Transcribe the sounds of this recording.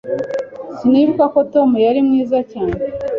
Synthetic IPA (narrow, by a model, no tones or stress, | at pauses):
sinivuɡako̞to̞mujaɾimŋiːzacaːne